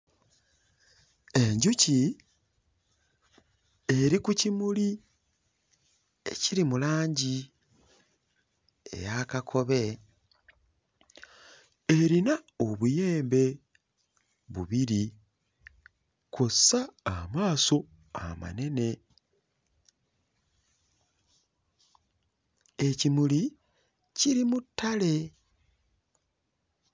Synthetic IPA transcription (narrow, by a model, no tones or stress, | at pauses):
e̞ɲɟuci | e̞ɾikucimuli | e̞̰ciɾimulaːɲɟi | ḛjakakʰo̞βe̞ | e̞ɾinaoβuje̞ːmbe̞ | βuβiɾi | kossaːmaːso̞ | a̰ma̰ne̞ne̞ | ecimuli | ciɾimutːale̞